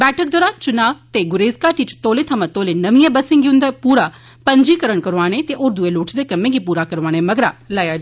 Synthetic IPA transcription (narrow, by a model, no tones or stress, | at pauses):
bɛːʈʰək̚d̪oːɾaːt͡ʃʊnaːʋt̪eːɡʊɾeːzkaːʈit͡ʃt̪oːleːt̪ʰəmãt̪oːlenəʋijẽːbəsɪ̃ŋɡiʊ̃nd̪apuːɾaː | pəɲd͡ʒiːkəɾəɳkəɾʋaːɽ̃et̪eʔoːɾd̪ueloːʈʰd̪eːkəmẽːɡipuːɾaːkəɾʋaːɽ̃eməɡɾa̰ːlaja